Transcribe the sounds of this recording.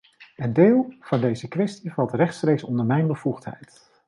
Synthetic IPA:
əndeːlˠv̥ɑndejzəkʋɛstivɑlˠtrɛχtstrejksɔndəɹmɛjnbəv̥uχtɦɛ̰jt

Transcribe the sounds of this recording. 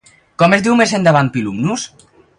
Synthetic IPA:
kɔmezd̪iwmezend̪aβan̚pilumnus

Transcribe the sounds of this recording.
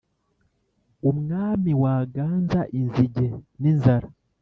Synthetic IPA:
umŋaːmiwaːɡaːnzaʔinziɟe̞ninzaɾa

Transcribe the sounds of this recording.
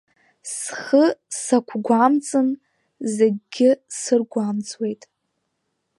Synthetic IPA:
sχəsakʷʰɡʷamt͡sʼɨn | zeɡʲɡʲɪsɨrɡʷamt͡sʼwe̞jtʼ

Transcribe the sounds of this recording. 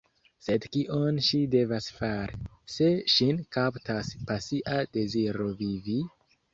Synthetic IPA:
se̞dkiʔonʃide̞vasfaɾi | se̞ʃinkaptaspasiʔade̞ziɾo̞vivi

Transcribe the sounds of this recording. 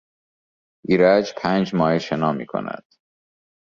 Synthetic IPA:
ʔiːɾæd͡ʒpʰæːnd͡ʒmɒːheʃenɒːmḭːkʰo̰næ̰d̪̥

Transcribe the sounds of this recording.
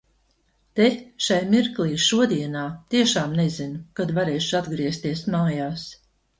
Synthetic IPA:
t̪eʃajmiɾklˠiːʃuɔd̪ʲiɛnaːt̪iɛʃaːmnɛzinukad̪vaɾeːjʃad̪ɡɾiɛst̪iɛsmaːjaːs

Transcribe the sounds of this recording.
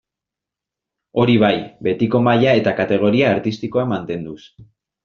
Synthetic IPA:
o̞ɾiβajbe̞t̪iko̞maʎae̞t̪akat̪e̞ɣ̞o̞ɾiaːɾt̪ist̪iko̞amant̪e̞nd̪us

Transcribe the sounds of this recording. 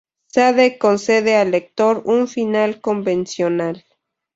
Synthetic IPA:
saðekonseðealek̚t̪oɾuɱfinalkombensjonal

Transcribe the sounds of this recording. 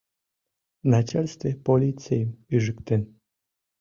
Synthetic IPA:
nat͡ʃalʲst̪vʲepolʲit̪sejəmyʒɨkt̪en

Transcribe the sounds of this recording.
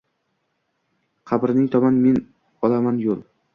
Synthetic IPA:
qʰɑbɾnɪŋt̪ʰɒmanmen | ɒlamanjolˠ

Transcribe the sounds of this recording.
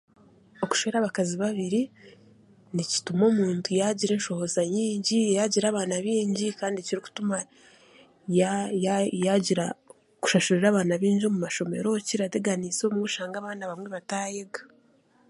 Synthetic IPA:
o̞ku̥ʃβeɾaβakaziβaβiɾi | nici̥tumo̞ːmuːntʰujaɟiɾe̞ːnʃo̞ho̞zaɲiːɲɟijaɟiɾaːβaːnaβiːɲɟikaːndiciɾiku̥tuma | jjjaɟiɾa | ku̥ʃaʃuɾiɾaːβaːnaβiːɲɟio̞mumaʃo̞me̞̰ɾo̞ciɾate̞ɡaniso̞muuʃaːŋɡaːβaːnaβamŋe̞βataːjeɡa

